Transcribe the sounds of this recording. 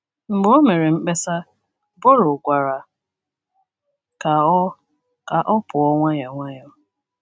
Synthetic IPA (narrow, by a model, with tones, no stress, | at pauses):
ŋ͡m̩˨ɡ͡bo˦me˨ɾe˨ŋ͡m̩˦k͡pe˦sa˦ | bo˦ɾʊ˨ɡʷa˨ɾa˨ | ka˨˦ | ka˨ʔɔ˦pʊ˨ɔ˦ŋʷa˦ja˨ŋʷa˦jɔ˦